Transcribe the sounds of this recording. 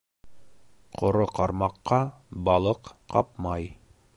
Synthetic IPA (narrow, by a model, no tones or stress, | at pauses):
qʰŏɾoqɑɾmɑqːɑ | bɑlˠɤqqɑ̰p̚mɑj